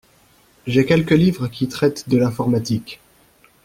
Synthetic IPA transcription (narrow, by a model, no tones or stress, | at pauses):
ʒɛkʲɛlkəlivʁəkʲit̪χɛt̪d̪əlɛ̃fɔʁmat̪ik